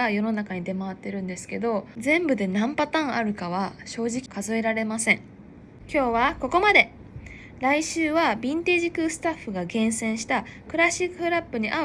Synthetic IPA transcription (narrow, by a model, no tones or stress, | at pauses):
ajo̞no̞nakaɲ̟id̪e̞maβat̪ːe̞ɾɯ̟̃nd̪e̞sɨ̥ke̞d̪o̞zẽ̞mbɯ̟d̪e̞nãmpat̪ãɰ̃aɾɯ̟kaβ̞aɕo̞ːʑikʲi̥kazoe̞ɾaɾe̞masẽ̞ŋ | kʲo̞ːβako̞ko̞mad̪e̞ | ɾaiɕɨːβabʲĩnt̪e̞ːʑikɯsɨ̥t̪aɸːɯ̟ɡaɡẽ̞ɰ̃sẽ̞ɰ̃ɕi̥t̪akɯ̟ɾaɕikːɯɯɯ̟ɾapːɯ̟ɲ̟iʔa